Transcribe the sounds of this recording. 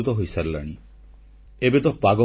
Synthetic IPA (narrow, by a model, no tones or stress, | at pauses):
ut̪ɔɦojsaɾila̰ɽ̃i | ebet̪ɔpaɡɔ